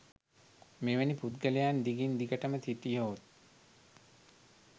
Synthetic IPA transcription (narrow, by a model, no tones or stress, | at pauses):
meʋəniput̪ɡəlejand̪iɡind̪iɡəʈəmət̪ʰiʈijoːt̪̚